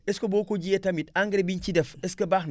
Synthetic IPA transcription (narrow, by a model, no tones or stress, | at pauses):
eskobokod͡ʒietamitaŋɡiɾibint͡ʃidefeskəbakn